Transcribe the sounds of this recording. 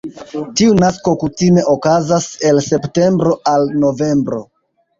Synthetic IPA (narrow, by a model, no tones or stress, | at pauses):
tiunasko̞kutime̞ʔokazase̞lse̞pte̞mbɾo̞ʔalno̞ve̞mbɾo̞̰